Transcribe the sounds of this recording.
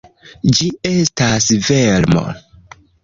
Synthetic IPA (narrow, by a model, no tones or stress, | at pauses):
d͡ʒie̞stasveɾmo̰